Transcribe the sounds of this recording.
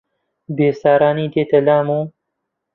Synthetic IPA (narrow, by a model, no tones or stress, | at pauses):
beːsaːɾaːniːd̪eːt̪ɐlaːmuː